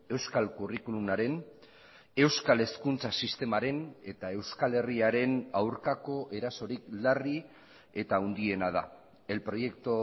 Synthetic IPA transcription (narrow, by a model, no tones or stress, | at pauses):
e̞wskalkurikulumaɾe̞n | e̞wskale̞skunt͡sasist̪e̞maɾe̞ne̞t̪ae̞wskale̞riaɾe̞nawɾkako̞ʔe̞ɾaso̞ɾiklari | e̞t̪aund̪ie̞nað̞a̰ | e̞lpɾo̞je̞kt̪o